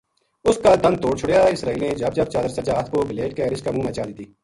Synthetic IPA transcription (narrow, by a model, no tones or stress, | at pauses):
ʊskald̪ɐ̃nd̪̚t̪oːɽt͡ʃʰʊɽjaːɪsɾaːiːlneːd͡ʒɐb̚d͡ʒɐb̚t͡ʃaːd̪əɾsɐd͡ʒaːt̪ʰkobɪleːʈkeːɾɪskaːmũːmɛ̃ːt͡ʃaːd̪ɪt̪iː